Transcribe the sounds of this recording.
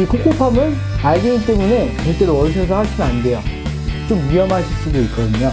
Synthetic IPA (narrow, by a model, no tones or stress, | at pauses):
ikʰok͈opʰamɯn | aɭɡeŋit͈e̞mune̞t͡ɕʌɭt͈eɾoʌɕ̬ʰʌs̬ʰʌhaɭɕʰinɯnande̞jʌ | t͡ɕomɥiʌmɦaɕʰis͈udoik͈ʌdɯɲo